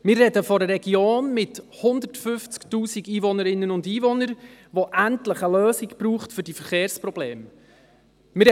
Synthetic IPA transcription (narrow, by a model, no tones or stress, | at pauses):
mɪrrɛdəfɔɾəɾɛɡioːnmɪthʊnd̪əɾtfʏft͡sktuːsiɡiːvɔnəɾɪnːənʊndiːvɔnəɾʋoʔæntləχəløːsɪɡb̥ɾuːχtfʏɾdifəɾχeːɾsprɔb̥leːm | mɪɾ